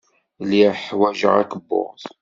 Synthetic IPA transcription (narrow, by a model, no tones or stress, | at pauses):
liħwæʒə̰ʁækəbːo̰ʁθ